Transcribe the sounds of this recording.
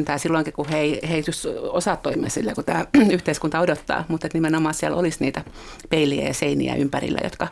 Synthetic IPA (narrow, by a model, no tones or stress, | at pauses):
nt̪æːsilːoiŋkikuheiheit̪ysosɑt̪ːoimḛsilːekut̪æːyht̪eiskunt̪ɑodot̪ːɑ̰ːmut̪et̪nimenomɑːsiælo̰lisniːt̪æpeiliæ̰jɑseinḭæ̰ʔympærḭlːæ̰jo̰t̪kɑ